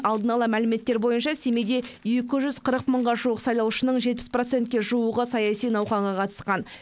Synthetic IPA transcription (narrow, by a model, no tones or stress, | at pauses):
ɑlˠd̪ənɑlˠəmælɪme̞t̪ːe̞ɾbo̞jənʃɑsemed̪e̞je̞kʲɪʒʏz̥qʰəɾəq̚məɴʁɑʒuwəqsɑjlˠɑwʃənəɴʒe̞t̪̚pɪ̥sprot̪se̞nt̪kʲe̞ʒuwəʁəsɑjɑsijnɑwχɑɴʁɑqʰɑt̪ə̥sqɑn